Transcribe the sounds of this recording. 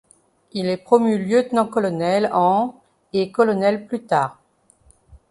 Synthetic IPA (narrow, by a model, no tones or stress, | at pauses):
ilɛpχɔmyljøt̪nɑ̃kɔlɔnɛlɑ̃ | ekɔlɔnɛlplyt̪aːʁ